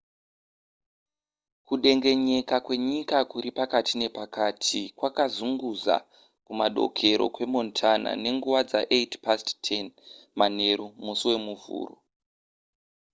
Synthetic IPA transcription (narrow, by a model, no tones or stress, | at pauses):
kuɗe̞ŋɡe̞ɲe̞kakwe̞ɲikakuɾipakatʰine̞pakatʰikwakazuŋɡuza̰ | kumaɗo̞̰kʰe̞ɾo̞̰kwe̞mo̞ntʰana̰ne̞ŋɡuwad͡zaʔetpasttʰenmane̞ɾumusiwe̞muvṵːro